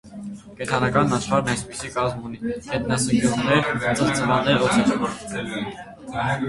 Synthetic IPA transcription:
kɛt̪ʰɑnɑkɑnɑʃχɑɾnɑjspisikɑzmunihɛt̪nɑsəŋɡjuʁnɛɾɑt͡sʰɑχt͡səvɑnɛɾɔt̪ʰɛɾʰ

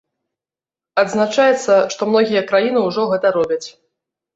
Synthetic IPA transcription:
ɐd̪znat͡ʂajɛt̪sːɐʂt̪ɔmnɔɣʲijɐkɾajinɨuʐɔɣɛt̪ɐɾɔbʲɐt͡sʲ

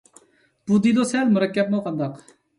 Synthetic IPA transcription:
b̥ud̪ilˠosɛlmuɾɛkʲːɛp̚muqʰɑnd̪ɑq

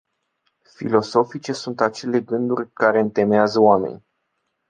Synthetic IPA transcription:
fḭlo̞so̞fit͡ʃe̞sunt̪at͡ʃe̞le̞ɡɨnd̪urʲkaɾe̞ɨnt̪e̞meazəwame̞̰nʲ

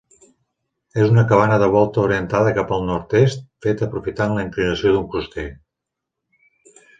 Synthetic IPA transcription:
ezunəkəβ̞anəðəβ̞ɔlˠt̪əuɾiənt̪aðəkapəlˠnɔɾt̪est̪̚fet̪əpɾufit̪aənləiŋk̪liɣnəsioðuŋkust̪e

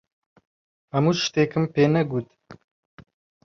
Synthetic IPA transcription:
hɐmuːʃt̪eːkɨmpeːnɛɡuːt̪

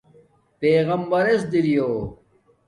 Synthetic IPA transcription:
peːɣɐmbɐɾesd̪iɾijoː

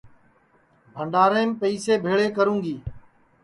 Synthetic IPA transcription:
bʱəɳɖaːɾẽːmpəiːseːbʱeːɭeːkəɾũːŋɡiː

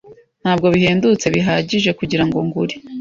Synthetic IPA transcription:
n̥haːb̚ɡo̞βiɦeːndut͡se̞βiɦaːɟiʒe̞kuɟiɾaŋɡoŋɡuɾi

